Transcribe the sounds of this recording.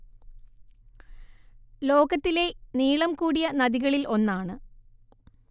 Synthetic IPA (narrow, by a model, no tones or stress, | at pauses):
lo̞ːɣɐt̪ːile̞niːɭɐmkuːɽijɐnɐðiɣɐɭilʔo̞nːaːɳɨ